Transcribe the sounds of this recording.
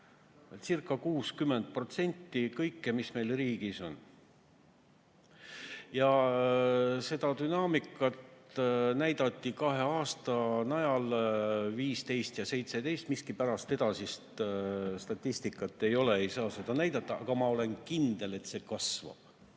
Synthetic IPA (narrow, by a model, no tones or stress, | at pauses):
sirkːˑɑkuːskymːend̪̥̚pro̞t̪se̞nʲt̪ːikɤjkːemisme̞jlriːɡ̥iso̞n | jɑ | se̞d̪̥ɑd̪ynɑːmikːˑɑt̪næjd̪̥ɑt̪ːˑikɑɦe̞ɑːst̪ɑnɑjɑlviːst̪e̞jst̪jɑse̞jt̪se̞t̪e̞jst̪miskipæɾɑst̪e̞d̪̥ɑsist̪st̪ɑt̪ʲːist̪ikːˑɑt̪ːˑe̞jo̞le̞ejsɑːse̞d̪̥ɑnæjd̪̥ɑt̪ːˑɑʔɑɡ̥ɑmɑo̞le̞nkind̪̥e̞le̞t̪se̞kɑsvɑ̰b̥